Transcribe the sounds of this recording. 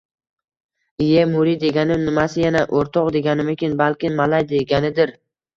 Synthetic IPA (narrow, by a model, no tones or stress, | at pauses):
ɪjemʊɾid̪e̞ɡʲanɪmnɪmasɪjanaʔoɾt̪ʰɒqd̪e̞ɡʲanɪmekʲɪnbalkʲɪnmalajd̪eɡʲanɪd̪ɪɾ